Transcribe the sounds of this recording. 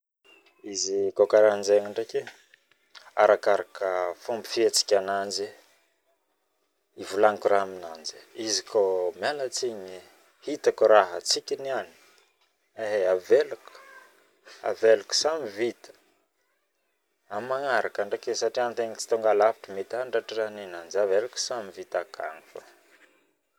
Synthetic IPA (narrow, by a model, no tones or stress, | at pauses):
izikokaɾand͡ʒeŋaɳɖ͡ʐake | a̰ɾakaɾakəfumbi̥fiet͡si̥kʲanand͡ʒi | ivulaŋikuraɦamina̰nd͡ʒi̥izikʰomjalət͡siɲi | hit̪akuɾaɦə̰t͡sikʲiniani̥ | eɦeaveluku̥ | a̰veluku̥samivit̪ə̥ | amaŋaɾakaɳɖ͡ʐakesaʈ͡ʂiant̪eɲit͡si̥t̪uŋɡalapi̥ʈ͡ʂəmet̪aɳɖ͡ʐaʈ͡ʂaraninand͡ʒaveluku̥samivit̪akʰa̰nifə̰